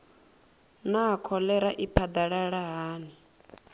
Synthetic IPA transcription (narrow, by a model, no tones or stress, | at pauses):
naɦakʰɔlɛɾaʔipʰad̪aɺaɺaɦaːni